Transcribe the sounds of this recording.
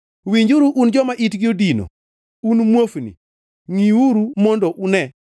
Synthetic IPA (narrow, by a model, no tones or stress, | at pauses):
wiɲd͡ʒuɾuʔund͡ʒɔmaʔitɡɪodino̰ | unmwofnḭ | ŋiwuɾumɔndɔʔunɛ